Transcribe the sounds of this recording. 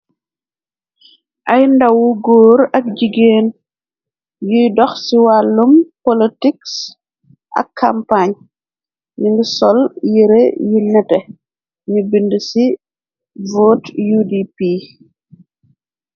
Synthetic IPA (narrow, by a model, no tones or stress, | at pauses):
ʔɐjndɐwuɡoːɾɐk̚d͡ʒiɡeːn | jujdɔxsiwalːumpɔlitiks | ʔɐ̰kːampaɲ | ɲiŋɡisɔljiɾḛjinɛtɛ | ɲubindəsi | voːtjudipi